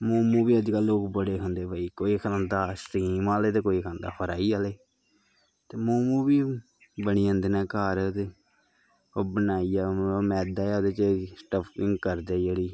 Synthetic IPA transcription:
moːmũːbiːəd͡ʒkaːlːoːkbəɽeːɦʰõnd̪eːbaːiːkoːiːkʰənd̪aːst̪iːmaːleːt̪eːkoːiːkʰənd̪a̰ːpʰəɾaːiːaːleː | t̪eːmoːmũːbiː | bəniːə̃nd̪eːnɛːkaːɾt̪e | oːbənaːiːaːmɛːd̪aːaːoːd̪eːt͡ʃːsʈəpʰɪŋɡkəɾd̪eːd͡ʒeːɽiː

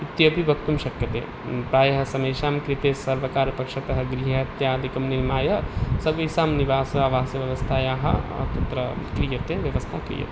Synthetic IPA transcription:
it̪jəbʱibʱɐk̚t̪ɐmʃɐkjɐt̪ḛ̃ | pɾaːjɦɐsɐmejʃaːmkɾit̪esɐɾʋəkaːɾɐpɐkʃɐt̪ɐɦəɡɾiɦɐt̪jaːd̪ʱikɐmniɾmaːjɦɐsɐbisaːmniʋaːsɐaʋaːsjɐʋjɐʋɐst̪ʰajaɦɐ̰t̪ɐt̪ɾəkɾijət̪ẽʋjɐʋəst̪ʰakɾḭjɐ̰t̪

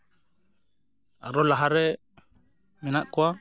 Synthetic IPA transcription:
a̰ɾolaɦaɾe | minaʔkwa

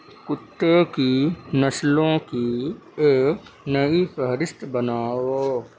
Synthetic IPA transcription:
kʊʈ̪ːəkinɐslõkieːknɐifʰəɦɾɪst̪bənaːoː

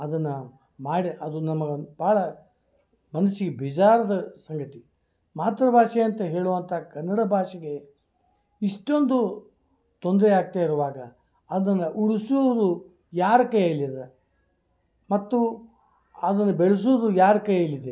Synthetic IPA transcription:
ɐd̪ɐnːɐ | maːɽiʔɐd̪unɐmɐɡɐb̥aːɭɐ | mɐnɐsiɡebid͡ʒaːɾɐd̪ɐsɐŋɡɐt̪i | maːt̪ɾɐbʱaːʂeɐnt̪ɐɦe̞ːɭuʋɐnt̪ʰɐakɐnːɐɽɐbʱaːʂɐɡe̞ | iʂʈo̞nd̪u | t̪o̞nd̪ɾeaːɡ̚t̪aːiɾuʋaːɡɐ | ɐd̪d̪ɐnːɐʔuɽusuʋɐd̪u | jaːɾɐkɐjɐɐlːid̪e | mɐt̪ːu | ɐd̪ɐnːɐbeɭus̬oʋd̪ujaːɾɐkɐjɐilːid̪e

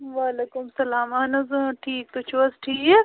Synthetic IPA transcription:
ʋaːleːkʊmsɐlaːmɐnɐzũʈʰiːk̚t̪ut͡ʃʰʋɐsʈʰiːke

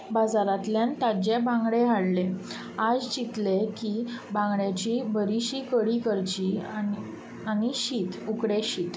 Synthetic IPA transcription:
bad͡zaɾat̪ljant̪ad͡ʑebãŋɡɽeɦaɽle | ad͡zt͡ɕit̪lekibãŋɡɽjat͡ɕibəɾiɕikəɽikəɾt͡ɕi | aniɕiːt̪ukɽeɕiːt̪

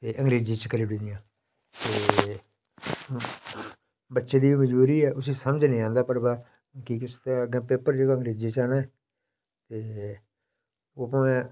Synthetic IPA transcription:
t̪eːʔə̃ŋɡɾeːd͡ʒĩːt͡ʃəkəliːɽĩːd̪ɪjãː | t̪eː | bətːʃeːd̪iːbiːməd͡ʒbuːɾiːɛːʊsiːsəməd͡ʒnĩːãːnd̪aːpəɽbaː | kikɪʊst̪eəɡɛ̃ːpeːpəɾd͡ʒeːɡəŋɡɾeːd͡ʒiːt͡ʃaːnaːɛː | t̪eː | oːpəɛ̃ː

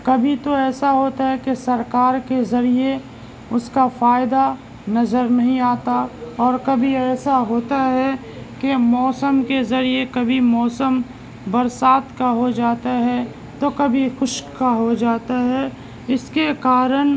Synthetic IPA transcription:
kɐbʱit̪oɛːsaɦoːt̪aɦɛkesɐɾkaːɾkezɐɾie | ʊskafaːɪd̪a | nɐzəɾnɐɦĩaːt̪aɔːɾkɐbʱiɛːsaɦoːt̪aɦɛ | kemɔːsəmkezɐɾiekɐbʱimɔːsəm | bɐɾsaːt̪kaɦod͡ʒaːt̪aɦɛ | t̪okɐbʱixʊʃkaɦod͡ʒaːt̪aɦɛ | ɪskekaːɾən

